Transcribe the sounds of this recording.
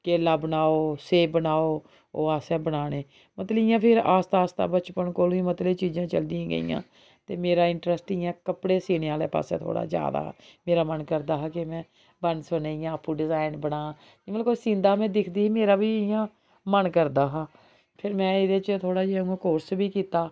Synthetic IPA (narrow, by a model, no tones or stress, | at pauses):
keːlaːbənaːoːseːbənaːoː | oːaːsɛːbənaːɽ̃eː | mət̪ləɪjãːpʰɪɾaːst̪aːst̪a̰ːbət͡ʃpəɳkoːlũːĩːmət̪leːt͡ʃiːd͡ʒãːt͡ʃəld̪ijãːɡə̰ḭjã̰ː | t̪eːmeːɾaːɪɳʈɾəsʈɪjãːkəpɽeːseːneãːlḛːpa̰ːsɛ̰̃ːt̪ʰo̰ːɽa̰ːd͡ʒja̰ːd̪a̰ːɦa̰ːmeːɾaːmənkəɾd̪aːɦakɪmɛ̃ː | bənsʊneːijãːpːuːɖɪzaːɪnbənaː | məlkosĩːnd̪aːmɛ̃ːd̪ɪkʰd̪iːiːmeːɾaːbiːɪjãː | mənkəɾd̪aːɦaː | pʰɪɾmɛ̃ːɪd̪et͡ʃət̪ʰoːɽaːd͡ʒeːãːkoːɾsbʱiːkiːt̪aː